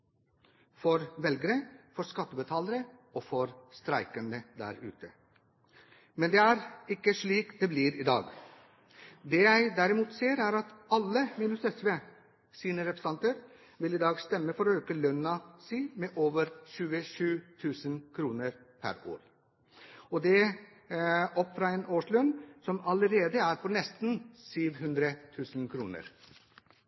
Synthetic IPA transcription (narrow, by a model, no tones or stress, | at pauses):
fɔɾʋɛlɡəɾəfɔɾskɑt̪ːəbət̪ʰɑːləɾəɔːfɔɾst̪ɾæɪkənəd̪æ̰ɾʉ̰ːt̪ə | mɛnd̪eːæɾɪkːəʂɭiːkd̪ɛːbliːɾɪːd̪ɑ̰ːɡ | d̪eːjæɪd̪æɾɪmuːt̪seːɾæɾɑt̪ɑlːəmiːnʉsɛsʋeː | siːnəɾɛpɾə̥sɑnt̪əɾ | ʋɪlɪd̪ɑːɡst̪ɛmːəfɔɾɔøːkəlœnɑsiːmɛʔoːʋəɾʃʉːəʂʉːt̪ʰʉːsənkʰɾuːnəɾ | pʰæ̰ɾo̰ːɾ | ɔd̪ɛ | ɔpːfɾɑɛnoːʂlœnːsɔmɑləɾeːd̪əæɾpʰɔnɛst̪n̩syːʋɦʉnd̪ɾət̪ʰʉːsənkʰɾuːnə̰ɾ